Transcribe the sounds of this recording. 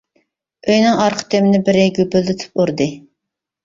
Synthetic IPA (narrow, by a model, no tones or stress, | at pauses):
øjnɪŋɑɾqʰə̥t̪ʰemɪnɪbɪɾɪɡʲybyld̪ɪt̪ʰy̥poɾd̪ɨ